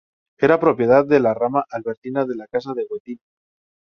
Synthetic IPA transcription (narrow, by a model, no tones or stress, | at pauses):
e̞ɾapɾo̞pje̞ðaððe̞laramaʔalβe̞ɾt̪inaðe̞lakas̬aðe̞ɣwet̪in